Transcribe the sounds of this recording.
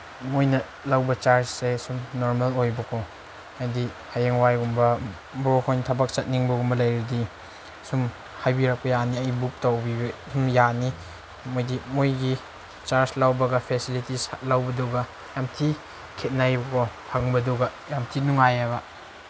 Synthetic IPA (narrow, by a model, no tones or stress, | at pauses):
mojnɐ | lɐwbɐt͡ʃaɾssesumnoɾmalojbɐkʰo | ajdi | hajeŋwajɡumbɐ | bɾokʰojntʰɐbɐk̚t͡ʃɐt̚niŋbɐɡumbɐlɐjɾidi | sum | hajbiɾɐk̚pɐjaniɐjbuk̚towbibsumjani | mojdimojɡi | t͡ʃaɾslawbɐɡɐpʰesilitishat̚lawbɐduɡɐ | jamtʰi | kʰet̚najbɐkʰohaŋbɐduɡɐ | jamtʰinuŋajaɡɐ